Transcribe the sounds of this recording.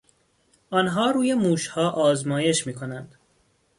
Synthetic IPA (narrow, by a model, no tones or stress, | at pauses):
ʔɒːnɦɒːɾuːjemuːʃhɒːʔɒːzmɒːje̞ʃmiːkʰo̞nænd̪̥